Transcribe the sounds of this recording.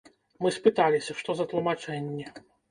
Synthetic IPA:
mɨspɨt̪alʲisʲɐʂt̪ɔzɐt̪lˠumat͡ʂɛnʲːɛ

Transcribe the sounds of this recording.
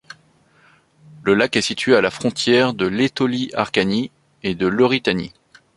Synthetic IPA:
ləlakɛsit̪ɥealafχɔ̃t̪jɛʁd̪əlet̪ɔliaʁkani | ed̪əlɔʁit̪anḭ

